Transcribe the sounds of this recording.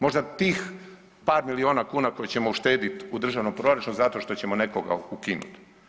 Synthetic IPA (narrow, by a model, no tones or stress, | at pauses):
mo̞ʒd̪at̪iːx | paːɾmilio̞ːnakuːnako̞jet͡ɕe̞mouʃt̪e̞ːd̪it̪ud̪ɾr̩ʒaʋnompɾo̞ɾat͡ʃunuzat̪o̞ʃt̪o̞t͡ɕemo̞nekoɡa̰ukinṵt̪